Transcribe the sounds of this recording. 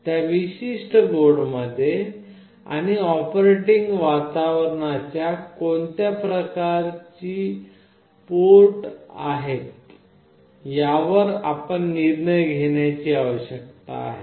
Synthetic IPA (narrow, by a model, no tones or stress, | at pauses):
t̪jaʋiɕiʂʈəɡoɽməd̪ʱːje | a̰ɽ̃iɔpɾeʈiŋɡʋat̪aʋɾəɳat͡ɕjakont̪japɾəkaɾt͡ɕiː | poʈa̰ɦet̪ | jaʋəɾa̰pəɳːiɾɳəjɡʱeɳjat͡ɕiːaʋəɕjək̚t̪a̰ːɦḛ